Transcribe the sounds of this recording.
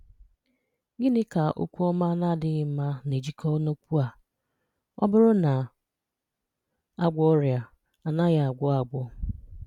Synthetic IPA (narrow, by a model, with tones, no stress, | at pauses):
ɡɪ˦nɪ˦ka˨ʔo̰˦kʷu˦ɔ˦ma˦na˦˨dɪ˦ɣɪ˨˦ma˦ne˨d͡ʒi˦kʰɔ˦no˦kʷu˦a˨ | ɔ̰˦bʊ˦ɾʊ˦na˨ | a˦ɡʷɔ˦ɾja˨ | a˨na˦ɣa˨a˨ɡʷɔ˦a˨ɡʷɔ˦